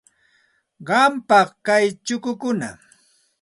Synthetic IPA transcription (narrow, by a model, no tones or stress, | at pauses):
ɢɑmpɑχkajt͡ʃʊkʊkʊna̰